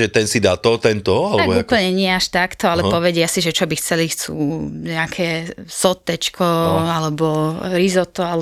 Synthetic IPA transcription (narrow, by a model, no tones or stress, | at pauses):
ʒɛt̪ɛnsid̪at̪ɔt̪ɛnt̪ɔalɛt̪abuːpl̩ɲɛɲɪɛaʃt̪akt̪ɔalɛppɔʋɛɟɪasiʒɛt͡ʃɔbixt͡sɛlixt͡sṵːɲɛakʰɛːsɔt̪ːɛt͡ʃkʰɔalɛbɔɾizɔt̪ɔalɛ